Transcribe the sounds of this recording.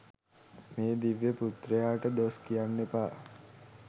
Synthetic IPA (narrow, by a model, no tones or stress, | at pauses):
meːd̪iʋjeput̪rəjaːʈəd̪oːskijanːepaː